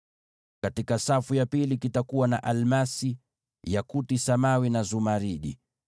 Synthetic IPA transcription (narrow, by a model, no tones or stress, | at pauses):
katikasafujapilikitakuwanaʔalmasi | jakutisamawinazumaɾiɗḭ